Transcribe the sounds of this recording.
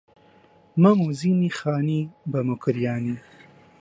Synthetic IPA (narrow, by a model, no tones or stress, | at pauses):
mamuzinixɑːnibɐmukɾjɑːni